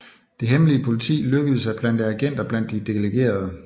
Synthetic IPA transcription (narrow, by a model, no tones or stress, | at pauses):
d̥e̝ɦemliəpʰo̝lit͡sʰḭːløɡ̥əð̞̩ˠəsɑɪb̥læn̰d̥æɡ̥en̰d̥ɐb̥læn̰d̥ːid̥e̝leɡ̥e̝̰ːɐð̞ˠə